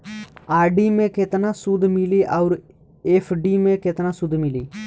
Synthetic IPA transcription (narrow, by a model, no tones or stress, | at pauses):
aːɾɖiːmẽːkeːt̪nãːsud̪mɪliːʔaʊɾ | eːpʰɖiːmẽːkeːt̪nãːsʊd̪mɪlḭː